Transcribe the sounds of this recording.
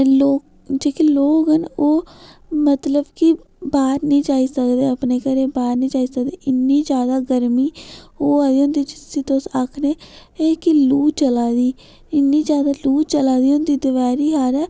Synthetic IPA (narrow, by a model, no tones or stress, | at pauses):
loːk̚ | d͡ʒeːkiːloːkɦənoːmət̪ləbkɪ | baːɾnĩːd͡ʒaːiːsəkd̪eːəpneːkəɾẽːbaːɾnĩːd͡ʒaːiːsək̚d̪eːʔɪnːiːd͡ʒjaːd̪aːɡəɾmiːoːaːd̪iːõːnd̪iːt͡ʃɪsiːt̪osakʰneːeːkiluːt͡ʃəlaːd̪iː | ɪnːiːd͡ʒjaːd̪aːluːt͡ʃəlaːd̪iːʊ̃nd̪iːd̪ʊʋɛːɾiːɦaːɾɛː